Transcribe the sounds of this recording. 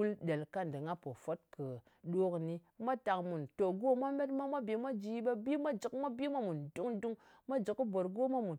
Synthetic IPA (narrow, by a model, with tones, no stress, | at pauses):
u˦lɗe˨lka˦n˨dɨ˨ŋa˦po˨fo˦t̚kɨ˨ | ɗo˦kni˦ma˦ta˨kmu˨nto˨ɡo˦ma˦me˦tma˦mʷa˦be˨mʷa˦d͡ʒi˨˦ɓa˦bi˦mʷa˦d͡ʒi˨kmʷa˦bi˦ma˦mu˨ndu˦ŋdu˦ŋ | ma˦d͡ʒi˨ki˦bo˨ɾɡo˦ma˦mu˨n